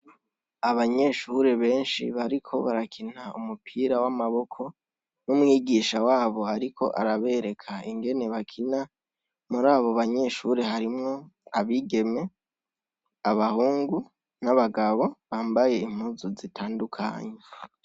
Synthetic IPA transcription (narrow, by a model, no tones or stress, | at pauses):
aβaɲe̞ʃuɾe̞βe̞ːnʃḭβaɾikʰo̞βaɾakʰinaumupʰiːɾawamaβo̞kʰo̞ | numŋiːɡiːʃawaːβo̞aɾikʰo̞̰ʔa̰ɾaβe̞ɾe̞kʰaiŋɡe̞ne̞βakʰina | muɾaːβo̞βaɲe̞ʃuɾe̞ɦaɾimŋo̞aβiɡe̞me̞ | aβahuːŋɡu | naβaɡaβo̞βaːmbaje̞im̥uzuzitʰaːndukʰa̰ːɲe